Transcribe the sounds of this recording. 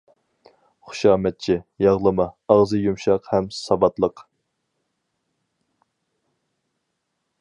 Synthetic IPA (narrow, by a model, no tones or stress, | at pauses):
χʊ̥ʃɑːmɛt̪̚t͡ʃʰijɑʁlˠəmɑɑʁzɨjumʃɑqhɛmsɑbɑt̪lˠəq